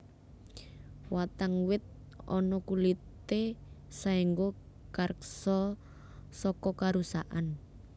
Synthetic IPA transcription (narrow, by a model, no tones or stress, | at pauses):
wat̪aŋwɪt̪̚ | ɔ̰nɔkulit̪esaiŋɡo | kaɾəksɔ | sɔkɔkaɾusa̰ʔan